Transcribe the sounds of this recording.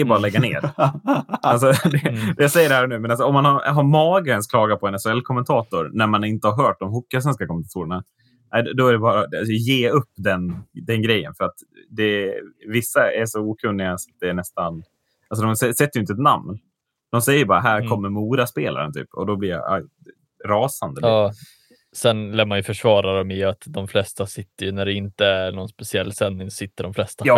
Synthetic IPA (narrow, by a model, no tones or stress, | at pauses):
ɛjəbɑːɾalɛɡːanḛːɾ | als̬ɔd̪ɛɛjasɛjːəɖɛhæːɾɳʉ̟ːmɛnals̬ɔɔmːanhaɾɦaɾmɑːɡəənskʰlɑːɡapʰɔɛnɛsʊɛlkʰɔmːɛnt̪ʰɑːt̪ʊɾnæɾmanɪnt̪əhaɾɦœːʈ̚d̪ɔmɦʊkːas̬vɛnskakʰɔmːɛnʰat̪uːɾəɳa | nʔæɪd̪ɔæɖɛbɑːɾaasɔjeːɵpːd̪ɛnd̪ɛnɡɾɛjːə̰nfœɾat̪ | d̪ɛvɪsːaæʂɔuːkʰɵnːɪɡasat̪̚d̪ɛːɳɛst̪an | als̬ɔd̪ɔmsɛsɛt̪ːəjʏnt̪ɛt̪na̰mn | d̪ɔmsɛjːəɾbɑːɾaɦæːɾkʰɔmːəɾmuːɾaspḛːlʔa̰ɾə̰nt̪ʰy̰ːpʰɔ̰d̪ɔblɪɾja̰ʔ | ɾɑːsand̪əlː | sɛnlæːmanjɵfœʂvɑːɾaɾɔmɪat̪d̪ɔmflɛst̪asɪt̪ːəjɵnæɖɛɪnt̪əæɾɳɔnspɛsɪɛlːsɛnːɪŋssɪt̪ːəɖɔmflɛst̪ajɑː